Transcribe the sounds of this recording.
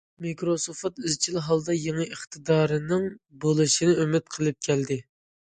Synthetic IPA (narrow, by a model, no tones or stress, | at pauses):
mikɾosofɑt̪yzt͡ʃʰilɪɦɑlˠd̪ɑjeŋəʔəχt̪ʰɨd̪ɑːɾɨnɨŋbolˠɨʃinɪymɪt̪̚qʰəlˠɨp̚kʲʰɛld̪ɪ